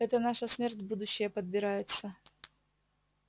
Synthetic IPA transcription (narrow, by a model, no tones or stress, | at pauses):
ɛt̪ənaʂəsmʲertʲbud̪ʊɕːɪjəpəd̪̚bʲɪɾajɪt̪sə